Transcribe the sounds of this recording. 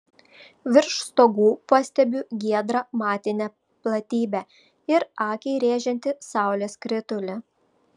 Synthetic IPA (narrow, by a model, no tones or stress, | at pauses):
ʋʲɪɾʃst̪oːɡuːpɑsʲt̪ʲɛbʲʊɡʲiɛd̪ɾɐmɑːt̪ʲɪnʲɛ | plˠɐt̪ʲiːbʲæ | ɪɾɑːkʲɛɪɾʲeːʒʲɛnʲt̪ʲɪsɑˑʊlʲeːskɾʲɪt̪ʊlʲɛ